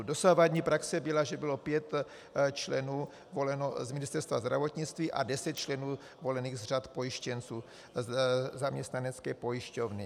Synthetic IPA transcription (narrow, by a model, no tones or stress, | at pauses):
do̞savadɲiːpɾaksɛbɪlaʒɛbɪlo̞pjɛt̪ | t͡ʃlɛnuː | vo̞lɛnozmɪnɪst̪ɛɾst̪va̰zd̪ɾa̰vot̪ɲɪt͡st̪viːʔa̰dɛsɛt̪̚t͡ʃlɛnuː | vo̞lɛniːɣzr̝at̪po̞jɪʃcɛnt͡suː | zamɲɛst̪nanɛt͡skɛːpo̞jɪʃcovnɪ